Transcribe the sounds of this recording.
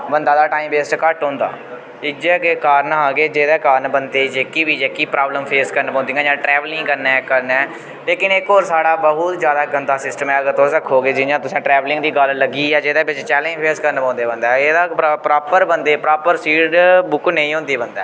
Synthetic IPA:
bənd̪aːd̪aːʈaːiːmbeːsʈkəʈɦõːnd̪a̰ː | ɪkd͡ʒeːkekaːɾnaːɡeːd͡ʒeːd̪eːkaːɾnbənd̪eːd͡ʒeːkiːbiːd͡ʒeːkiːpɾaːbləmpʰeːskəɾnpɔ̃ːnd̪iːŋɡãːd͡ʒãːʈɾɛːʋəlɪ̃ŋɡkəɾnɛːkəɾnɛː | leːkɪnɪkɦoːɾsaːɽaːbəɦʊt̪zjaːd̪aːɡənd̪aːsɪsʈəmɛːəɡəɾt̪oːsəkʰːoːɡeːd͡ʒɪjãːt̪ʊsẽːʈɾɛːʋlɪ̃ŋɡd̪iːɡəlləɡiːɛːd͡ʒeːd̪eːbɪt͡ʃt͡ʃɛːlẽd͡ʒpʰeːskəɾnpãːnd̪eːbənd̪aːeːd̪aːpɾaːpəɾbənd̪eːpɾaːpəɾsiːɖbʊknə̃ĩːɦõːnd̪eːbənd̪a̰ː

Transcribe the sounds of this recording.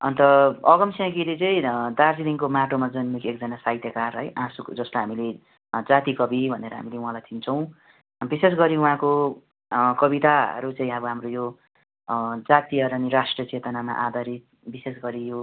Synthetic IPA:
ʌnt̪ʌʌɡʌmsjãɡilet͡sʌĩd̪ard͡ziliŋkomaʈomad͡zʌnmikek̚d͡zʌnasait̪jʌkarɦʌjʔãsukd͡zʌslaɦamile | d͡zat̪ikʌbibʱʌneɾʌ̰ɦa̰mileuɦãlajt̪ʰint͡sʰʌw̃ | bises̬ɡʌɾiuɦãko | kʌbit̪a̰ɾut͡sʌĩʌbʌɦamrojo | d͡zat̪iʌɾʌniɾasʈrʌt͡set̪ʌnama̰ʔad̪ʱaɾit̪̚ | bises̬ɡʌɾijo

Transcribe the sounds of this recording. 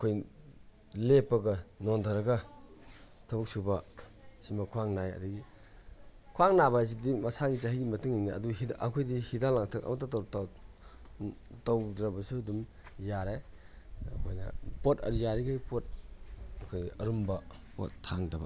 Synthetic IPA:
kʰoj | lepːɐɡɐnondʰʱaɾɐɡɐ | tʰɐbuk̚subɐ | simakʰwaŋnajɐ̰duɡi | kʰwaŋnabɐs̬idimɐsaɡit͡ʃaɦiɡimɐtuŋiŋniɐ̰duɦiʔɐkʰojdihidalaŋtʰakɐ̰mɐt̬ːatt | tawdɾɐbɐsudum | jaɾe | kʰojnɐ̰potɐ̰ɾijaɾiɡajpot̚ | kʰojiɐɾumbɐ | po̰tʰːaŋdɐbɐ

